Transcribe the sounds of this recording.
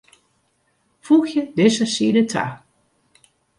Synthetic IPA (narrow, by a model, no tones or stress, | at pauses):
fuxjədɪsəsiːdətʰa̰